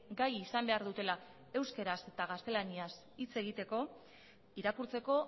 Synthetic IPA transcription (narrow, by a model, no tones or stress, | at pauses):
ɡajisambe̞aɾðut̪e̞la | e̞wske̞ɾase̞t̪aɣ̞ast̪e̞lanias | it͡se̞ɣ̞it̪e̞ko̞ | iɾakuɾt͡se̞ko̞